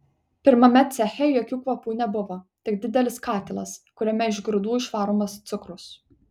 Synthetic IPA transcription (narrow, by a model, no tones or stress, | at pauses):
pʲɪɾmɐmʲɛt̪sʲæxʲɛjoːkʲuːkʋɐpuːnʲɛbʊʋot̪ʲɪkd̪ʲɪd̪ʲɛlʲɪskɑːt̪ʲɪlˠɐ̰skʊɾʲɛmʲɛɪʒɡɾʊd̪uːɪʃʋɑːɾomɐst̪sʲʊkɾʊs